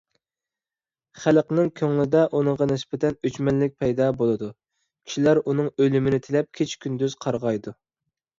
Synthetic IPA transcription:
χælqnɪŋkʲʰøŋlɪd̪ɛʔunɨŋʁɑnɪsbɛt̪ɛnøt͡ʃmɛllɪk̚ʲpʰɛjd̪ɑbolˠɨd̪u | kʲʰi̥ʃilæɾunɨŋølymɪnɪt̪ʰɪlɛp̚kʲʰet͡ʃʰkʲʰynd̪yz̥qʰɑɾʁɑjd̪u

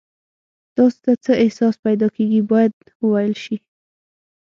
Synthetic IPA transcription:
t̪ɑso̥t̪at͡səɪhsɑspajd̪ɑkeɡibɑjad̪ | wəwajəlʃi

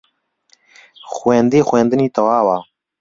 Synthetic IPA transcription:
xwɛnd̪eːxwɛːnd̪ɨniːt̪ɐwaːwaː

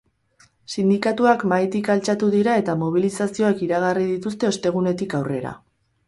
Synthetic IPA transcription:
sind̪ikat̪uakmajt̪ikalt͡ʃat̪uðiɾae̞t̪amo̞β̞ilisasio̞akiɾaɣ̞arið̞it̪ust̪e̞o̞st̪e̞ɣ̞une̞t̪ikawre̞̰ɾa̰

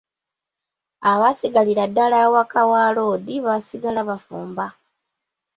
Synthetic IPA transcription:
awasiɡaliɾadːalawakawaːloːd̪iβasiɡalaβafuːmba

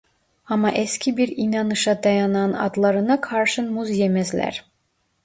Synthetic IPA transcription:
ɑmɑʔescʲʰibiɾinɑnɯʃɑd̪ɑjɑnɑnɑ̰d̪lˠɑɾɯnɑkʰɑɾʃɯnmuzjemæzlʲæ̰ɾ

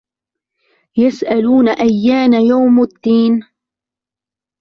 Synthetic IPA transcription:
jasʔaluːnaʔajːaːnajawmad̪ːiːn

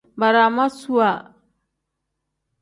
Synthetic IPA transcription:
baɾamasua

